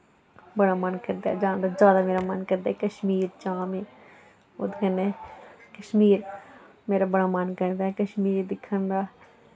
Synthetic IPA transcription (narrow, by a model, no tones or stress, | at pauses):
bəɽaːmənkəɾd̪a̰ːd͡ʒãːnd̪aːzjaːd̪aːmeːɾamənkəɾd̪aːɛkəʃmiːɾt͡ʃãːmeː | o̰d̪kəneːkəʃmiːɾ | meːɾaːbəɽaːmənkəɾd̪aːɛkəʃmiːɾd̪ɪkʰːənd̪aː